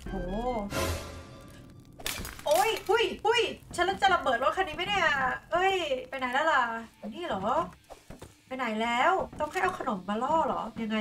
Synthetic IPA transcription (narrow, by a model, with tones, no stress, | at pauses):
hoː˩ | ʔo˦˥˩jhu˧˥˩jhu˧˥˩jt͡ɕʰa˦˥nlːa˦˥nt͡ɕa˨la˧bɤː˨˩t̪̚ɾo˦˥t̪̚kʰa˧nːiː˦˥ma˥˩jda˥˩ʔa˧˩ʔɤ˦˧˥jpa˧jna˩˦jlɛː˦˥wla˧˩˨niː˥˩lɔː˩˦ | pa˧jna˨˩˦jlɛː˦˥wt̪ɔ˥˩ŋɦa˥˩jʔa˧wkʰa˧no˨˩˦mːaː˧lɔː˥˩lɔ̰ː˩˦ja˧ŋːa˧